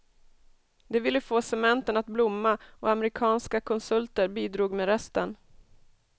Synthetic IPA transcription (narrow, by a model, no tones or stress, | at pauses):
d̪ɛvɪlːəfoːsɛmɛnt̪ənat̪blʊmːaɔamɾɪkʰɑːnskakʰɔnsɵlt̪əɾbiːd̪ɾuːɡmeːɾɛst̪ən